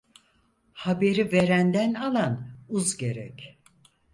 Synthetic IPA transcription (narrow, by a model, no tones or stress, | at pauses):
habe̞ɾive̞ɾænd̪ænalˠanuzɟe̞ɾɛ̰c